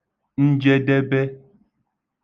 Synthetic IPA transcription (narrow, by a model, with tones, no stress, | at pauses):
n̩˦d͡ʒɛ˦dɛ˦bɛ˦